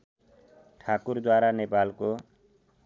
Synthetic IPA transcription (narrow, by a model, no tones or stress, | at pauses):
ʈʰakuɾd̪waɾanepalko